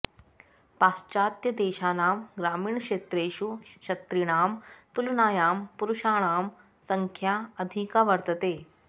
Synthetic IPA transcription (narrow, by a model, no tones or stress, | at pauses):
paːst͡ɕaːt̪jɐd̪eːɕaːnaːmɡɾaːmiːɳkʂeːt̪ɾeːʃuɕɐt̪ɾiɽ̃aːmt̪ulnaːjaːmpuɾuʃaːɳ̃aːm | sɐŋkʰjaəd̪ʱikaʋɐɾt̪ət̪eː